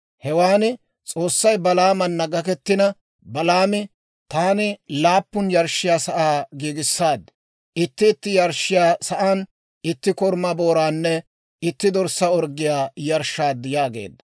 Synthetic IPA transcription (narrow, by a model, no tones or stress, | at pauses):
hɛwaːnɪ | t͡sʼo̞ːsːɐjbɐlaːmɐnːɐɡɐkɛt̪ːɪnɐ | bɐlaːmɪ | t̪aːnɪlaːpːʊnjɐɾʃːɪjaːsɐʔaːɡiːɡɪsːaːd̪ | ʔɪt̪ːɪːt̪ːɪjɐɾʃːɪjaːsɐʔaːn | ɪt̪ːɪkɔɾmɐboːɾaːnːɛ | ɪt̪ːɪd̪ɔɾsɐɔɾɡɪjaːjɐɾʃːaːd̪ːɪjaːɡe̞̰ːd̪ːɐ